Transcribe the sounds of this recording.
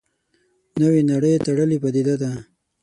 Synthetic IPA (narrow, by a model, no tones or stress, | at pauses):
nəwenaɽəjt̪aɽəlipad̪id̪ad̪a